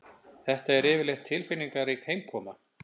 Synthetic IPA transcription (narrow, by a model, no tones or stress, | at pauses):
θɛht̪aɛɾɪːvɪɾlejxt̪ʰːɪlfɪnːiŋkaɾikhejmkʰɔːma